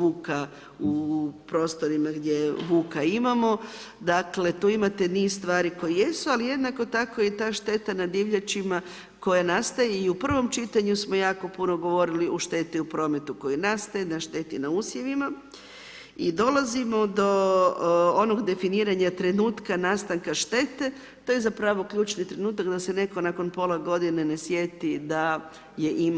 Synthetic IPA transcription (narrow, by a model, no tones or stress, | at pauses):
ʋuːka | upɾo̞ːst̪o̞ɾimaɡd̪ʲje̞ʋuːkaimamo̞ | d̪akle̞t̪uːimat̪e̞niːzst̪ʋaːɾiko̞jije̞sualije̞d̪nako̞t̪ako̞jet̪aːʃt̪e̞t̪anad̪iʋʎat͡ʃima | ko̞janast̪ajeiupr̩ʋo̞mt͡ʃit̪aɲusmo̞jaːko̞puno̞ɡo̞ʋo̞ɾiliʔoʃt̪e̞t̪iupɾo̞ːme̞t̪uko̞jinast̪ajenaʃt̪e̞t̪inauːsje̞ʋima | id̪o̞lazimo̞d̪o̞ | ono̞ɡd̪e̞finiːɾaɲat̪ɾe̞nuːt̪kanaːst̪aŋkaʃt̪e̞t̪e̞ | t̪oːjezapɾaʋo̞kʎuːt͡ʃnit̪ɾe̞nuːt̪akd̪asene̞ko̞nako̞npo̞lˠaɡo̞d̪inene̞sje̞t̪id̪a | je̞ʔim